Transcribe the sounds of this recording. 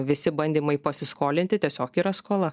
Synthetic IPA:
ʋʲɪsʲɪbɐnʲd̪ʲiːmɐɪpɐsʲɪskoːlʲɪnt̪ʲɪt̪ʲiɛsʲoːkiːɾɐskoːlˠɐ

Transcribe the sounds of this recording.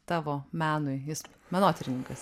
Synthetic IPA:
t̪ɑːʋoːmʲæːnʊɪjɪsmʲɛnoːt̪ʲɛɾʲɪnʲɪŋkɐs

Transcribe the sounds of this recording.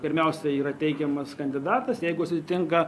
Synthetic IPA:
pʲɪɾʲmʲɛʊsʲɛiːɾɐt̪ʲɛɪkʲɛmɐskɐnʲd̪ʲɪd̪ɑːt̪ɐsjɛɪɡʊʃsʲʊsʲɪt̪ʲɪŋkɐ

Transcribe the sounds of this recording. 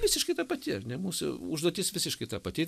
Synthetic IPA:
ʋʲɪsʲɪʃkɐɪt̪ɐːpɐt̪ʲɪɐɾnʲɛmuːsʊ̰ʊʒd̪oɔt̪ʲɪsʋʲɪsʲɪʃkɐɪt̪ɐpɐt̪ʲɪ

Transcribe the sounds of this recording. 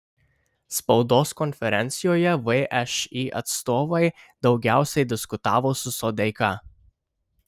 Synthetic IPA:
spɒʊd̪oːskɔnʲfʲɛɾʲɛnʲt̪sʲɪjoːjɛʋɛʔɛʃiːʔɐ̰t̪st̪oːʋɐɪd̪ɒʊɡʲæˑʊsʲɛɪd̪ʲɪskʊt̪ɑːʋoːsʊsɔd̪ʲɛɪkɑ

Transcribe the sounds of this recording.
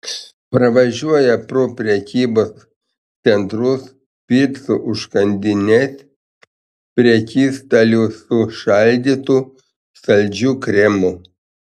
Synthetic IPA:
pɾɐʋɐʒʲuɔjɛpɾʊpʲɾʲɛkʲiːboːs | sʲɛnt̪ɾʊs | pʲiɾʲt̪sʊʔʊʃkɐnʲd̪ʲɪnʲɛsʲ | pʲɾʲɛkʲiːst̪ɐlʲusʊʃɑlʲd̪ʲiːt̪u | sɐlʲd͡ʒʲuːkɾʲɛmʊ

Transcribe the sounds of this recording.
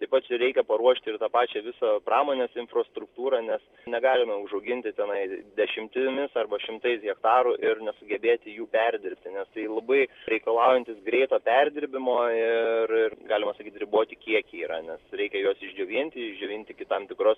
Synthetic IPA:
t̪ɐɪpɐt͡ʃʲɾʲɛɪkʲɛpɐɾuɔʃʲt̪ʲɪɪrt̪ɑːpɑːt͡ʃʲɛʋʲɪsoːprɑːmoːnʲeːsɪnfɾost̪ɾʊkt̪uːɾɑnʲɛs | nʲɛɡɑːlʲɪmɐʊʒɐʊɡʲɪnʲt̪ʲɪt̪ʲɛnɐɪd̪ʲɛʃʲɪmʲt̪ʲɪmʲɪsɐrbɐʃʲɪmt̪ɐɪsɣʲɛkt̪ɑːɾuʔɪrnʲɛsʊɡʲɛbʲeːt̪ʲɪjuːpʲɛrʲd̪ʲɪɾʲpʲt̪ʲɪnʲɛst̪ɐɪlˠɐbɐɪɾʲɛɪkɐlˠɑˑʊjɛnʲt̪ʲɪsɡɾʲɛɪt̪oːpʲɛrʲd̪ʲɪɾʲbʲɪmoːɪrɪrɡɑːlʲɪmɐsɐkʲiːt̪ʲɾʲɪboːt̪ʲɪkʲiɛkʲiːɾɐ̰nʲɛsɾʲɛɪkʲɛjoːsɪʒʲd͡ʒʲɛʋʲinʲt̪ʲɪɪʒʲd͡ʒʲɛʋʲɪːnʲt̪ʲɪkʲɪt̪ɐmt̪ʲɪkɾoːs

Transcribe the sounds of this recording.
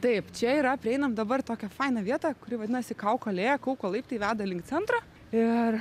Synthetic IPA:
t̪ɐɪpt͡ʃʲɛiːɾɐpʲɾʲɪɛɪnɐmd̪ɐbɐrt̪oːkʲɛfɐɪnɐʋʲiɛt̪ɐkʊɾʲɪʋɐd̪ʲɪnɐsʲɪkɐʊkɐɐlʲeːjɛkɐʊkolˠɐɪp̚ʲt̪ʲɐɪʋʲæːd̪ɐlʲɪŋkt̪sʲɛnt̪ɾɐː | ɪr

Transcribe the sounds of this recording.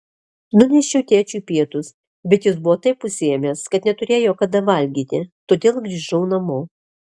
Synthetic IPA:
nʊnʲɛʃʲɛʊt̪ʲeːt͡ʃʲupʲiɛt̪ʊs | bʲɛt̪jʊsbʊʋoːt̪ɐɪpːʊsʲɪjɛmʲeːskɐt̪nʲɛt̪ʊɾʲeːjoːkɐd̪ɐʋɐlʲɡʲiːt̪ʲɪt̪oːd̪ʲeːlˠɡɾʲiːʒɐʊnɐmoː

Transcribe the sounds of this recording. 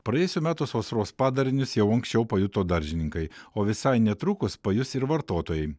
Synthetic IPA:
pɾɐjɛːjʊsʲuːmʲæːt̪ʊsʋosɾoːspɑːd̪ɐɾʲɪnʲʊsjɛʊɐŋksʲt͡ʃʲɛʊpɐjʊt̪oːd̪ɐɾʲʒʲɪnʲɪŋkɐɪoːʋʲɪsɐɪnʲɛt̪ɾʊkʊspɐjʊsɪɾʋɐɾt̪oːt̪oːjɛɪ

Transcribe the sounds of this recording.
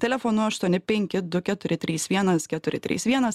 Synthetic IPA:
t̪ʲɛlʲɛfoːnʊɐʃt̪uɔnʲɪpʲɛŋʲkʲɪd̪ʊkʲɛt̪ʊɾʲɪt̪ʲɾʲiːsʋʲiɛnɐskʲɛt̪ʊɾʲɪ̰t̪ʲɾʲḭːsʋʲiɛnɐs

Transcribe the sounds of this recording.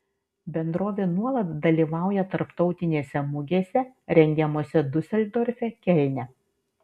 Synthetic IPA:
bʲɛnd̪ɾoːʋʲeːnuɔlˠɐt̪d̪ɐlʲiːʋɑˑʊjɛt̪ɐɾpt̪ɒʊt̪ʲɪnʲeːsʲɛmʊɡʲeːsʲɛɾʲɛŋʲɡʲɛmoːsʲɛd̪ʊsʲɛlʲd̪oːɾʲfʲɛkʲɛlʲnʲɛ

